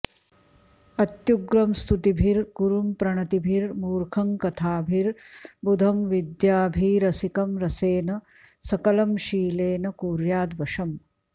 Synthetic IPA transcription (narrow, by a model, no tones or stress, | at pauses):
ɐt̪juɡɾɐmst̪ʰut̪ibʱiɾɡuɾumpɾɐɳɐt̪ibʱiɾmuːɾkʰɐmkɐt̪ʰaːbʱiɾbud̪ʱɐmʋid̪jaːbʱiːɾɐsikɐmɾɐseːnɐ | sɐkɐlɐmʃiːleːnɐkuːɾjaːd̪ʋɐʂɐm